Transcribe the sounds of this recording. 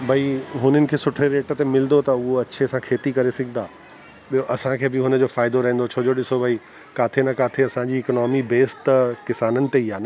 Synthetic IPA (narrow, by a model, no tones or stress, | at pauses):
bʱɐiɦʊnənɪ̆kʰeːsʊʈʰɾeɾeːʈət̪emɪld̪ot̪ɐʊɦoɐt͡ɕʰeɐsãkʰeːt̪ikɐɾesɪɡʱɪnd̪aː | ɓioʔɐsãkʰeːbɪɦʊnəd͡ʑoːfaːɪd̪oɾɐɦẽnd̪ot͡ɕʰoːd͡ʑoɗɪsobʱɐi | kaːt̪ʰenɐkaːt̪ʰeɐsãd͡ʑiːknɔːmibeːst̪kɪsaːnənɪ̆t̪eiɦaːnɐ